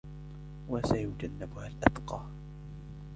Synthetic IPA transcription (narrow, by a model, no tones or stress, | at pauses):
wasajʊd͡ʒanːɪbʊhalʔad̪qɑː